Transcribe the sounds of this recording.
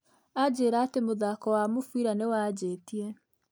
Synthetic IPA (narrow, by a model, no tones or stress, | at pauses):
ad͡ʑeːɾaːtemoðakɔwamofwiɾanewad͡ʑeːtiɛ